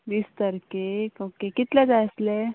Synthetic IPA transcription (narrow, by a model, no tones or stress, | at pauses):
bist̪əɾkekokekit̪led͡zasle